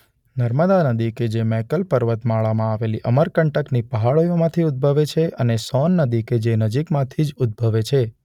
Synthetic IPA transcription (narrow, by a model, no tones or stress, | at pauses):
nəɾməd̪anəd̪iked͡ʒemɛkəlpəɾʋət̪maɭamãaʋeliʔəməɾkəɳʈəknipəɦaɭojõmãt̪ʰiud̪̚bʱəʋet͡ʃʰeʔənesɔnːəd̪iked͡ʒenəd͡ʒikmãt̪ʰid͡ʒʊd̪̚bʱəʋet͡ʃʰe